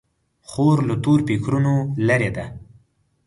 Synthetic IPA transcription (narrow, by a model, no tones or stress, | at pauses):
xoɾlat̪oɾpekɾunolaɾed̪a